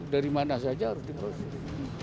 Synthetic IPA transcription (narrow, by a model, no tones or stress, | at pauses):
daɾimanasad͡ʒaaɾʊsdipɾɔs